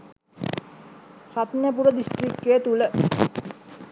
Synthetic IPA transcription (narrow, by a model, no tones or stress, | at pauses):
ʃat̪nəpuɾod̪isʈɾik̚keːt̪ule